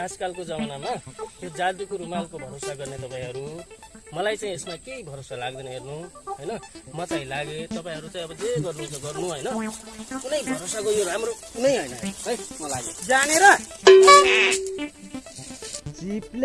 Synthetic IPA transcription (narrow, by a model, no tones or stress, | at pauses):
askalkod͡zʌmanamajod͡zad̪ukoɾumalkobʱʌɾosaɡʌrnet̪ʌpãĩɦʌɾumʌlajt͡saĩesmakejbʱʌɾosalaɡ̚d̪ʌnʌɦernuɦʌjnʌmʌt͡saĩlaɡet̪ʌpaĩɦʌɾut͡saĩʌbʌd͡zeɡʌrnut͡sʌɡʌrnuɦʌjnʌkunʌjbʱʌɾosakojoɾamrokunʌjɦʌjnʌɦʌjmʌlaɡod͡zaneɾʌ | d͡zipl